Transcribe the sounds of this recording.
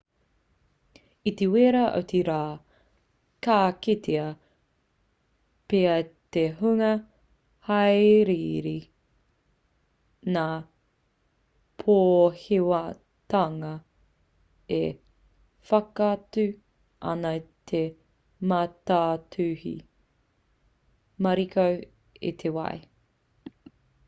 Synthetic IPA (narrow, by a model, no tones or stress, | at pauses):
it̪eweɾɐʔo̰t̪ʰeɾaː | kaːket̪ʰeɐ | peɐt̪eɦuŋɐ | hɐjɾiɾi | naː | pʰoːhewɐ | tɐŋɐ | e | fɐkatʉ | ʔɐ̰nɐt̪ʰe | mataːtʰʉhḭ | mɐɾikʰow | ḭt̪ʰewɐ̰e